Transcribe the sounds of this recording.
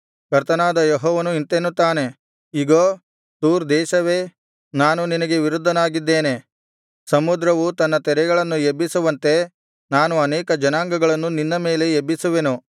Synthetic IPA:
kɐɾt̪ɐnaːd̪ɐjeɦɔːʋɐnuint̪enːut̪aːne̞ | iɡoː | t̪uːɾd̪ɛːʃɐʋeː | naːnuninɐɡe̞ʋiɾud̪ʱːɐnaːɡid̪ːeːne̞ | sɐmud̪ɾɐʋut̪ɐnːɐt̪ɛɾɛɡɐɭɐnːuebːisuʋɐnt̪e̞ | naːnuɐnɛːkɐd͡ʒɐnaːŋɡɐɡɐɭɐnːuninːɐme̞ːle̞ebːisuʋe̞nu

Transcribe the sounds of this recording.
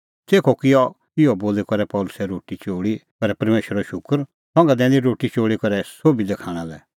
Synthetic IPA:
seːkʰɔkɪjɔ | ɪjɔboːlekɔɾɛpɔːlʊsɛɾoːʈit͡ʃoːɽikɔɾɛpɐɾmeːʃəɾɔʃʊkəɾ | sɔ̃ŋɡɛd̪ɛ̃ːnd̪iɾoːʈit͡ʃoːɽikɔɾɛsoːbid̪ekʰaːɽ̃ãlɛ

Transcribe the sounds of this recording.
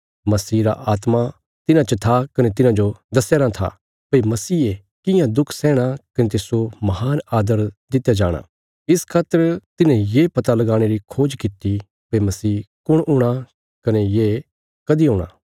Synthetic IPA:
mɐsiːɾa̰ʔaːt̪ma | t̪ɪnãt͡ʃɐt̪ʰakɐnet̪ɪnãd͡ʒod̪ɐsɛːɾat̪ʰa̰ | pɐimɐsiːe | kɪjãd̪ʊkʰsɛ̃ːɽ̃akɐnet̪esomɐhaːnaːd̪əɾd̪ɪt̪ːjad͡ʒa̰ːɽ̃a̰ | ɪskʰaːt̪ːəɾt̪ɪnẽjeːpɐt̪alɐɡaːɽ̃eɾikʰoːd͡ʒkɪt̪i | pɐimɐsiːkʊɽʊɽ̃a | kɐnejeː | kɐd̪iɦʊ̃ːɽ̃a̰ː

